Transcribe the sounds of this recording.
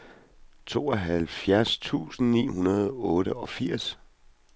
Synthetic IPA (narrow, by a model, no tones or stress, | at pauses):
t͡sʰo̝ːɒɦælfjæɐst͡sʰṵːsn̩nḭːhunɐð̞ˠɔ̽ːɾəɒ̽fiɐ̰s